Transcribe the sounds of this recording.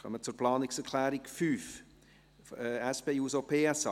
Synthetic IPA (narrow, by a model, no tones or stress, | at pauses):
χœ̰mət͡suɾplɑːnɪksɛɾkʰlæːɾikfyːf | ɛɛsb̥eːuːsopʰeːɛsɑ